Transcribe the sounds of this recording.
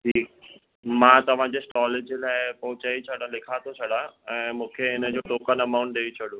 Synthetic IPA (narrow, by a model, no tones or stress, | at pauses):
ʈʰiːk | mãːt̪ɐʋ̤ãd͡ʑeːsʈɔːled͡ʑlaːɪpɐɦʊ̃t͡ɕaːit͡ɕʰɐɽãlɪkʰat̪ʰot͡ɕʰɐɽãɛ̃ːmũːkʰeɪnəd͡ʑoːʈoːkənɐmaʊɳʈ̚ɗeit͡ɕʰɐɽũ